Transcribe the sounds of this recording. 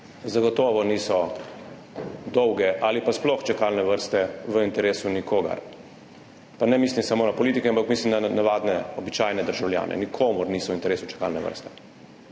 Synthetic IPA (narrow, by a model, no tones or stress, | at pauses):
zaɡɔt̪ɔːʋɔniːsɔ | d̪ɔwɡɛʔalipasplɔxt͡ʃakalnɛʋəɾst̪ɛʋəint̪ɛɾeːsunikʰoːɡa̰ɾ | panɛmiːslimsamoːnapɔliːt̪ikɛampakmiːslimd̪anaʋaːd̪nɛɔbit͡ʃaːjnɛd̪əɾʒawlja̰ːnʔɛ̰nikʰoːmuɾniːsɔwint̪ɛɾeːsut͡ʃḁka̰lnɛʋə̰ɾst̪ɛ̥